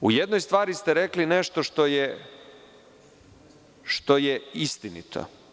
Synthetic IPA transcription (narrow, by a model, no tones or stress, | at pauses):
ujed̪nojst̪ʋaːɾist̪ɛɾeklineʃt̪o̞ʃt̪oje | ʃt̪o̞jeist̪inḭt̪ʰo̰